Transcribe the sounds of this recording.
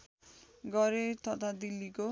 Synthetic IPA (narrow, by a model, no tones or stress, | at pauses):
ɡʌɾet̪ʌt̪ʰad̪ilːiko